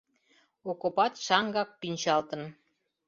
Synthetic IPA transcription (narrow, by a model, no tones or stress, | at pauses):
okopɑt̪ʃɑŋɡɑk̚pinʲt͡ɕɑlt̪ə̆n